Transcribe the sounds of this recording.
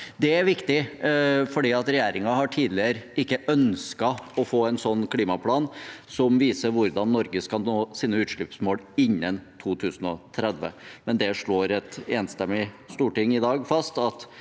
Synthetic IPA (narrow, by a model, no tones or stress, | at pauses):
d̪ɛæɾʋɪkt̪ɪ | fɔɖiːɑt̪ɾɛjeːɾɪŋɑhɑʈʰiːd̪lɪəɾɪkːəʔœnskɑɔfoːɛnsɔnːkʰliːmɑpʰlɑːnsɔmʋiːsəɾʋʊɾd̪ɑnːɔɾɡəskɑoːsiːnəʉːt̪ʂɭʉːpsmoːlɪnːənt̪ʰuːt̪ʰʉːsn̩ɔ̰t̪ʰɾɛd̪ʋə̰mɛnd̪ɛʂɭoːɾɛt̪eːnst̪ɛmːɪ | st̪uːʈɪŋɪd̪ɑːɡfɑst̪ɑt̪